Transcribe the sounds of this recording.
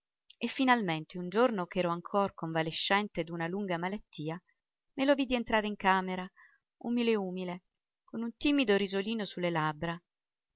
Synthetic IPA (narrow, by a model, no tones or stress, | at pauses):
efːinalment̪eund͡ʒornokɛːɾoaŋkʰorkoɱvaleʃːɛnt̪ed̪unaluŋɡamalat̪ːiːa | melovid̪ient̪ɾaːɾeiŋkaːmeɾa | ṵmileuːmile | konunt̪iːmid̪oɾizoliːnosulːelabɾa